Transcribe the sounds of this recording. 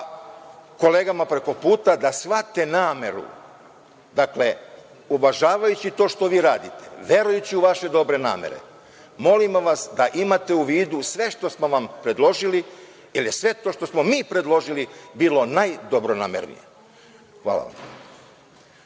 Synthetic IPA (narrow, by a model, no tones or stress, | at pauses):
ko̞le̞ːɡamapɾe̞ko̞puːt̪ad̪asʋat̪e̞naːme̞ɾṵ | d̪akle̞ | uʋaʒaːʋajut͡ɕit̪o̞ːʃt̪o̞ʋiːɾaːd̪it̪e̞̥ʋje̞ɾujut͡ɕiuʋaʃe̞d̪o̞bɾe̞na̰ːmḛɾḛ | mo̞limʋasd̪aʔimat̪e̞uʋiːd̪usʋe̞ʃt̪o̞smo̞ʋampɾe̞d̪lo̞ʒili | jilje̞sʋe̞t̪o̞ːʃt̪o̞smomiːpɾe̞d̪lˠo̞ʒilibiːlo̞najd̪obɾo̞na̰ːmeɾnḭjḛ | xʋa̰ːla̰ʋa̰m